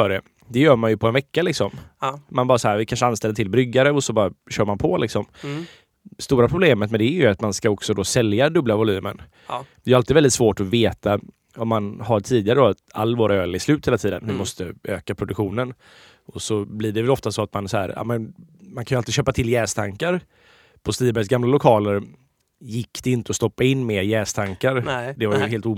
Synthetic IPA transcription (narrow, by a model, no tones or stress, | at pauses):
fœɖɛ | d̪ɛjœːɾmanjɵpʰɔɛnvɛkːalɪksɔmmanbɑːɾasɔhæːɾvɪkʰanʂəanst̪ɛlːət̪ʰɪlbɾʏɡːaɾəɔsɔbɑːɾaɕœːɾmanpʰɔlɪksɔm | st̪uːɾapʰɾʊbleːmət̪mɛnd̪ɛːɾjɵat̪manskaɔksɔd̪ɔsɛljad̪ɵblavʊlyːmə̰n | d̪ɛjʏalt̪ɪːdvɛld̪ɪt̪svoːʈɔveːt̪a | ɔmːanɦaʈʰiːd̪ɪɡaɾəd̪ɔa̰lːvoːɾaøːlɪslʉ̟ːt̪heːlat̪ʰiːd̪ə̰nvɪmɔst̪əøːkapʰɾʊd̪ɵkɧuːnən | ɔsɔblɪːɖɛvɛlɔft̪asɔat̪mansɔhæ̰ːɾjɑ̰ːmənmankʰanjalt̪ɪd̪ɕøːpat̪ʰɪlːjɛːst̪ʰaŋkaɾ | pʰɔst̪iːbɛs̬ɡamlalʊkʰɑːləɾ | jɪkːd̪̥ɛɪnt̪əɔst̪ɔpːaɪnːmeːjɛːst̪ʰaŋkaɾd̪ɛvaɾjəɦeːlt̪uː